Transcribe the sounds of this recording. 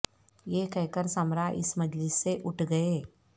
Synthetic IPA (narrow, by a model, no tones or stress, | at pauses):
jeːkɛɦkəɾsəmɾaʔɪ̰smɐd͡ʒlɪsːeʔʊʈʰɡɐeː